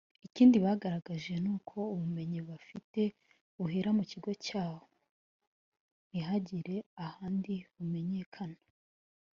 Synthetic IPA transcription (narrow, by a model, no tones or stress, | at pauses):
iciːndiβaɡaɾaɡaʒe̞nuːkʰo̞uβume̞ɲiβafite̞ | uɦiɾamuciɡo̞caːwo | iɦaɟiɾe̞ahaːndiβume̞ɲe̞ːkʰanḁ